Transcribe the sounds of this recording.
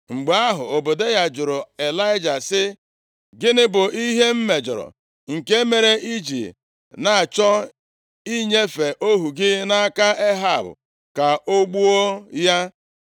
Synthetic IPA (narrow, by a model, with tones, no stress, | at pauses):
ŋ͡m̩˨ɡ͡ba˦ɦʊ̰˨o˨bo˨de˦ɣa˨d͡ʒʊ˨ɾʊ˨e˨la˦ɪ˦d͡ʒa˨sɪ˦ | ɡɪ˦nɪ˦bʊ˨i˦ɦe˦m̩˦me˨d͡ʒʊ̰˨ɾʊ̰˨ | ŋ̩˨ke˦me˨ɾe˦ʔi˦d͡ʒḭ˨ | na˨a˨t͡ʃɔ˦ | i˦ɲe˦fe˨ʔo˦ɦu˨ɡɪ˦na˦a˦ka˦ʔe˦ɦa˨bʊ̰˨ | ka˨ʔo˦ɡ͡bu˦o˦ja˦